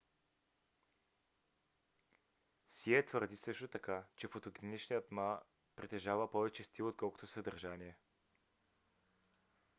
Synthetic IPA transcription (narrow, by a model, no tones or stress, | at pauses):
siɛt̪vəɾd̪isɤʃt̪ot̪ɐkat͡ʃɛfot̪oɡɾinit͡ʃnijət̪ma | pɾit̪ɛʒavəpɔvɛt͡ʃɛst̪ilˠot̪kɔlˠko̥t̪oʊsəd̪əɾʒaniɛ